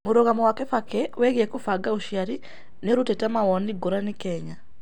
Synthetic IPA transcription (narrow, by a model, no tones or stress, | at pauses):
muɾoɣamɔwakɛfakɛwɛɣiɛkufaɡauʃiaɾi | neɾutɛtamawɔniɡuɾanikɛɲa